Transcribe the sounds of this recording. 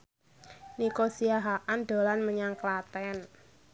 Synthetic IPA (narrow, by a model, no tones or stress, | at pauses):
nikosiaɦaʔanɖ̪o̤lanməɲaŋklat̪ɛn